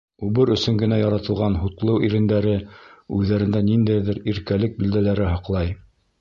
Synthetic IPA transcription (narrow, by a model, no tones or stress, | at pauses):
uβɤɾɵ̆sɵŋɡɘ̆næjɑɾɑt̪ɤ̆lˠʁɑnɦut̪lˠɤwʔiɾɘ̆nd̪æɾɘʉðːæɾɘ̆nd̪ænind̪æjðɘɾiɾkælɘk̚bild̪ælæɾɘɦɑqlˠɑj